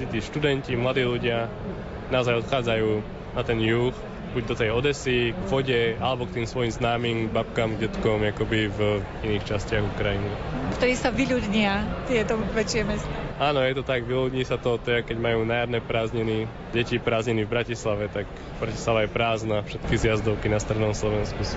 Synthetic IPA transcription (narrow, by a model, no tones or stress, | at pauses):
sit̪iːʃt̪ud̪ɛncimlad̪iːluɟɪa | naɔzajɔt̪xaːd͡zajuː | nat̪ɛnjux | buɟd̪ɔt̪ɛjɔd̪ɛsiɡʋɔɟɛalɛbɔkt̪iːmsʋɔjimznaːmiːmbap̚kaːmɡɟɛt̪kɔmakɔbiv | iniːxt͡ʃascɪaɣukɾajinikt̪ɔɾiːsaʋiʎud̪ɲɪat̪ɪjɛt̪ɔʋɛt͡ʃɪɛmɛst̪aaːnɔjɛt̪ɔt̪aɡʋiluːdɲisat̪ɔt̪ːɛakɛɟmajuːnajad̪nɛpɾaːzɲɛni | ɟɛcipɾaːzɲɛnivbɾacislaʋɛt̪ak | bɾacislaʋajɛpɾaːznafʃɛt̪kizjazd̪ɔʊkinast̪ɾɛd̪nɔmslɔʋɛnsku